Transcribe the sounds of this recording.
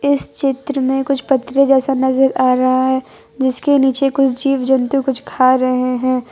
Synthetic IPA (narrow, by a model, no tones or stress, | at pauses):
ɪst͡ʃɪt̪ɾəmẽkʊt͡ʃʰpɐt̪ːɾed͡ʒɛːsanɐzəɾaːɾɐɦaɦɛː | d͡ʒɪskeniːt͡ʃekʊt͡ʃʰd͡ʒiːʋd͡ʒɐ̃nt̪ukʊt͡ʃʰkʰaːɾɐɦeɦɛ̃ː